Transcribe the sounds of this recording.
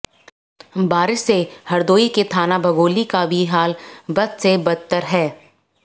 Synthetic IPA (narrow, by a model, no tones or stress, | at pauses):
baːɾɪʃsehɐɾd̪oːiket̪ʰaːnabʱɐɡoːlikabʱiɦaːlbɐd̪sebɐt̪ːəɾɦɛː